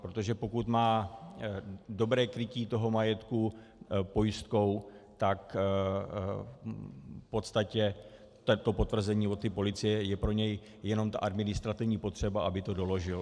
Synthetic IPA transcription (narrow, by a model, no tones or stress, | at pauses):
pɾo̞t̪oʒɛpo̞kut̪maː | do̞bɾɛːkɾɪciːt̪o̞ɦo̞majɛt̪ku | po̞jɪst̪̚ko̞wt̪ak | fpo̞t̪st̪acɛ | t̪ɛt̪o̞po̞t̪vr̩zɛɲiːvot̪ːipo̞lɪt͡sɪjɛjɛpɾo̞ɲɛj | jɛno̞mt̪a̰ʔadmɪnɪst̪ɾat̪ɪvɲiːpo̞t̪r̥ɛbaʔabɪt̪o̞do̞lo̞ʒɪl